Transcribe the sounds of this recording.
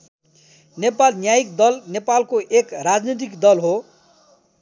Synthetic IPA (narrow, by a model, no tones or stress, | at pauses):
nepalnjajikd̪ʌlnepalkoʔekrad͡znit̪̬ikd̪ʌlɦo